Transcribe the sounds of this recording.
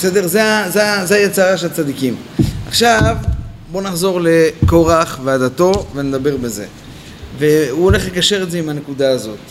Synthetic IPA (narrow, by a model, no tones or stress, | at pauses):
esed̪e̞ʁzeazeazeajet͡saʁaʃelat͡sad̪ikimaχʃav | bo̞naχzo̞ʁle̞ko̞ʁaχvead̪at̪o̞ve̞ne̞d̪abe̞ʁbeze̞̰ | ve̞uole̞χlekaʃe̞ʁetzeimhane̞kud̪aːzo̞t̪